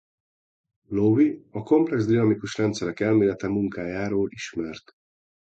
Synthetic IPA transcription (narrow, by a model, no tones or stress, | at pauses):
loviɒko̞mplɛɡzd̪inɒmikuʃrɛnt̪sɛɾɛkɛlmeːlɛt̪ɛmuŋkaːjaːɾoːliʃmɛrt̪